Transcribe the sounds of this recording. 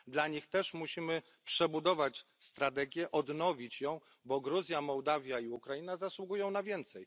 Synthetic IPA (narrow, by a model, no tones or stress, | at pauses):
d̪laɲixt̪ɛʂmuɕimɘ | pʂɛbud̪ɔvat͡ɕst̪ɾat̪̬ɛɡʲjɛʔɔd̪nɔvʲit͡ɕjɔ̃w̃ | bɔɡɾuzʲjamɔwd̪avʲjaiukɾajinazaswuɡujɔ̃w̃navʲjɛnt̪sɛj